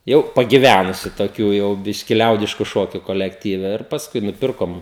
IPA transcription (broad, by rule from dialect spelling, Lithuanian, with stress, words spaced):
ˈjɛʊ pɐɡʲɪˈʋʲænʊsʲʊ toːˈkʲuː jɛʊ ˈbʲɪʃʲkʲɪ ˈlʲɛʊdʲɪʃkʊ ˈʃoːkʲʊ koːlʲɛkˈtʲiːʋʲɛ ɪr pɐsˈkʊɪ nʊˈpʲɪrkoːm